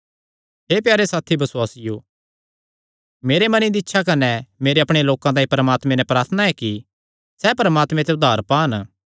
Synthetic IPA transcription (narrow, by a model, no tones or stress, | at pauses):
ɦepjaːɾesaːt̪ʰibɐswaːsɪjoː | meːɾemɐnĩd̪iɪtːʃʰakɐnɛmeːɾeɐpɽ̃eloːkãt̪ãːĩpɐɾəmaːt̪mẽnɛpɾaːɾt̪ʰnaɛki | sɛpɐɾəmaːt̪mẽt̪eʊd̪ʱaːɾpaːn